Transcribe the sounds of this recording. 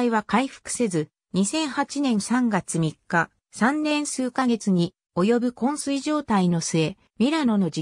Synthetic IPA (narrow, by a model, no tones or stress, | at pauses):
iβakaiɸɯ̥kɯ̟̥se̞zɨ | ɲ̟isẽ̞ɰ̃hat͡ɕinẽ̞ɰ̃sãŋɡat͡sɨmʲikːa | sãnːẽ̞ɰ̃sɨːkaɡe̞t͡sɨɲ̟i | o̞jo̞bɯ̟kõ̞ɰ̃sɨiʑo̞ːt̪aino̞sɨe̞ | mʲiɾano̞no̞d͡ʑi